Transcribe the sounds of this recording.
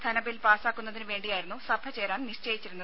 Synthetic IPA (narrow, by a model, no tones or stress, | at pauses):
t̪ʰɐnɐbilpaːsaːkːunːɐðinɨʋe̞ːɳɖijaːjiɾunːusɐbʰʱɐt͡ɕeːɾaːnniʂt͡ɕe̞ːjit͡ɕːiɾunːɐ